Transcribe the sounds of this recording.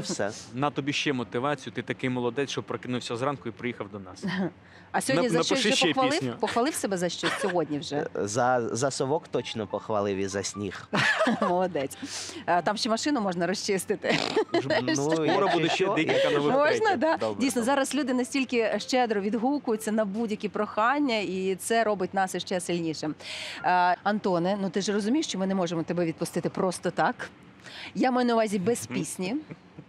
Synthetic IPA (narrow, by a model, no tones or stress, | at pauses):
sɛ̰nɐt̪ɔbʲiʃt͡ʃɛmɔt̪ɪʋɑt͡sʲijʊt̪ɪt̪ɐkɪjmɔlˠɔd̪ɛt͡s̪ʲt͡ʃɔbpːɾɐkɪnʊwsʲɐzrɑnkʊipɾɪjixɐwd̪ɔnɑ̰s | ɐsʲɔɔdnʲizɐɐt͡ʃɔt͡ʃɛxʋɐlˠɪnʲpɔxʋɐlˠɪwsebɛzɐʃt͡ʃɔsʲɔɦɔdʲnʲiwʒɛzɐzɐsɔʋɔkt̪ɔt͡ʃnɔpɔxʋɐlˠɪʋizɐsʲnʲḭxmɔlˠɔd̪ɛt͡sʲt̪ɑmʃt͡ʃɛmɐʃɪnʊmɔʒnɐɾɔst͡ʃɪst̪ɪt̪ɪ | ɔɾɐbud̪ɛɛknɐmɔʒnɐd̪ɑdʲijsnɔzɑɾɐslʲud̪ɪnɐsʲtʲilʲkɪʃt͡ʃɛd̪ɾɔʋʲid̪ɦukʊjʊt͡sʲːɐnɐbudʲjɐkʲipɾɔxɑnʲːɐit̪sɛɾɔbɪtʲnɑsɪʃt͡ʃɛsɪlʲnʲiʃɛm | ɐnt̪ɔnɛnut̪ɪʒrɔzʊmʲijʃt͡ʃɔmɪnɛmɔʒemɔt̪ɛbɛʋʲid̪̚pʊst̪ɪt̪ɪpɾɔst̪ɔt̪ɑk | jamjnɐʊʋɑzʲibɛspʲisʲnʲi